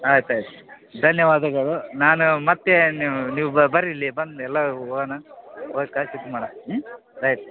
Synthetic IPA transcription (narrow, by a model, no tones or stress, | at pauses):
aːjt̪aːjt̪u̥ | d̪ʱɐnjɐʋaːd̪ɐɡɐɭunaːnumɐt̪ːenːniːʋubɐɾilːibɐnɛlːɐoːɡɐnɐoːt̪̚kaːʃut̪ːumaːɽa | ɾɐjt̪u